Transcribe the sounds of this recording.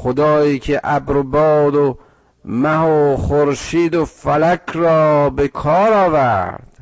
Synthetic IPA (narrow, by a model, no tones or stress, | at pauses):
xod̪ɒːiːkʰeʔæbɾobɒːd̪o | mæhoχoɾʃiːd̪ofælækʰɾɒːbekʰɒːɾɒːvæɾd̪̥